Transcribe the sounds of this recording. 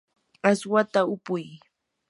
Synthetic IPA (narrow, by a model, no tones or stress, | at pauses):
aswat̪aʊpʊj